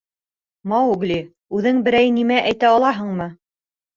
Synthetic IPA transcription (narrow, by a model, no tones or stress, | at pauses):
mɑwuɡlʲi | ʉðɘŋbɘ̆ɾæjnimæʔæjt̪æɑlˠɑɦɤɴmɤ